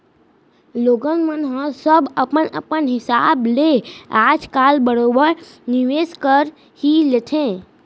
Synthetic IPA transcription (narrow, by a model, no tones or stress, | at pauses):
loɡənmənɦə̃səbəpənə̰pənɦɪsablead͡ʒkalbəɽobəɾ | niʋeskəɾ | hilet̪ʰẽ